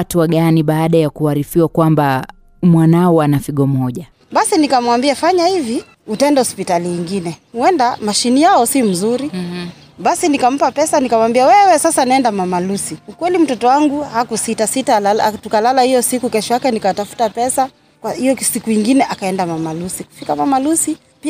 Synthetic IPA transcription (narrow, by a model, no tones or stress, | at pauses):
tuaɠaniɓaːɗajakuaɾifiwakwamba | mwanaɔanafiɠɔm̩ɔʄa | ɓasinikamwambiafaɲahivi | utaɛndahɔspitaliiŋɡinɛhuɛndamaʃinijaɔsim̩zuɾi | ɓasinikam̩papɛsanikamambiawɛwɛsasanaɛndamamalusiukwɛlim̩tɔtɔwaŋɡuhakusitasitalaltukalalahijɔsikukɛʃɔjakɛnikatafu̥tapɛsa | kwahijɔsikuiŋɡinɛʔakaɛndamamalusiku̥fikamamalusi | pi